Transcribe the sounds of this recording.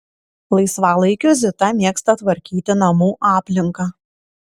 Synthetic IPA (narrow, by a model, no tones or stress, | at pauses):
lˠɐɪsʋɑːlˠɐɪkʲʊzʲɪt̪ɐmʲiɛkst̪ɐt̪ʋɐɾʲkʲiːt̪ʲɪnɐmuːʔɑːpʲlʲɪŋkɐ